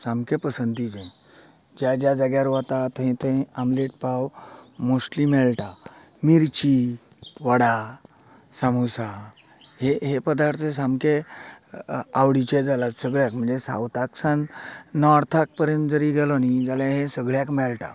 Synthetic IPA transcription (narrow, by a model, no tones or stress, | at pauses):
sãmkẽpəsənt̪id͡ʑẽ | d͡ʑjad͡ʑjad͡zaɡjaɾʋat̪at̪əɦĩt̪ẽamleʈ̚pawmosʈlimɛɭʈa | miɾt͡ɕi | ʋəɽa | samusa | heɦepəd̪aɾt̪ʰesamke | awɽit͡ɕẽd͡zalat͡ssəɡɭjakm̤əɳd͡zesa̰wt̪aksãnnɔɾt̪ʰak̚pəɾjə̃nt̪d͡zəɾiɡɛlɔnid͡zaljãɦẽsəɡɭjakmɛɭʈa̰